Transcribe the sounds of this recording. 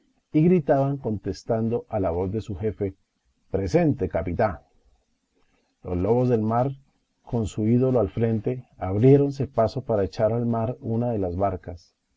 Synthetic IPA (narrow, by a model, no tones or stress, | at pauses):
iɣɾit̪aβaŋko̞nt̪e̞st̪and̪o̞ʔalaβo̞zd̪e̞suxe̞fe̞ | pɾe̞se̞nt̪e̞kapit̪a | lo̞̰zlo̞βo̞zðe̞lmaɾ | ko̞nsuiðo̞lo̞alfɾe̞nt̪e̞aβɾje̞ɾo̞ns̬e̞paso̞paɾaet͡ʃaɾalmaɾunaðe̞lazβaɾkas